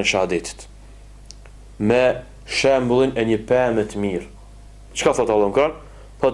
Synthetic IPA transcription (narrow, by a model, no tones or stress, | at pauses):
ɛʃaad̪it̪ə̥t̪ | mɛ | ʃɛmblˠinɛɲəpɛmɛt̪əmiɾ | t͡ʃkaθɔt̪alˠɔmkɾɔn | pɔ